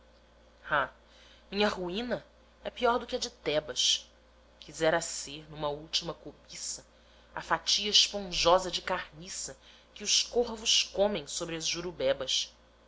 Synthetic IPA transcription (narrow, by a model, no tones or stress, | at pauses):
ha | mĩɲɐɦuĩnɐ | ɛpiɔɾd̪ʊkɪɐd͡ʒɪt̪ɛbɐs | kʰizɛɾɐseɾnũmɐuwt͡ʃimɐkobisɐ | afat͡ʃiɐɪʃpõʒɔzɐd͡ʒɪkaɾnisɐ | kɪʊskohvʊʃkõmẽj̃sobɾɪɐzʒuɾubɛbɐs